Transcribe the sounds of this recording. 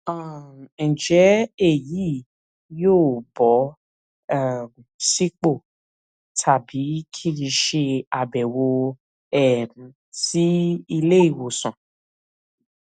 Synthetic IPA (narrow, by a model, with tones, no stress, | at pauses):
a˦˨d͡ʒɛ˨˦e˦˨ji˨˦ | joː˦˨bɔ˨˦ | a˦˨m | si˦k͡po˦˨ | tʰa˨bi˨˦kʰi˦ɾĩ˧ʃe˧a˨bɛ˨wo˧ | ɛ˦˨m˨ | ti˦i˧le˦i˦˨wo˨sɔ̃˨